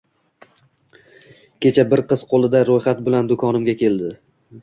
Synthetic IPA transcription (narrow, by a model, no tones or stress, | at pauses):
kʲʰe̞t͡ʃʰabɪɾqɨzqʰolˠɪd̪aɾojχat̪̚bɪland̪ʊkʰɒnɪmɡʲakʲʰe̞ld̪ɪ